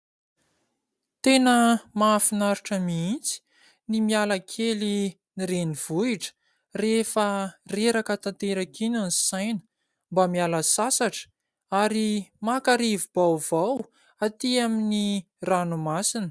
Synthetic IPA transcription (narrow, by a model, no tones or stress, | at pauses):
t̪enəmaːfinaɾiʈ͡ʂəmiint͡si̥ | nimialakʰeli | niɾeniv̥uiʈ͡ʂə̥ | refəreɾakət̪ant̪eɾakinansajnə̥ | mbamialəsasaʈ͡ʂə̥ | aɾimakaɾivubawvaw | at̪iamini | ranumasinə̥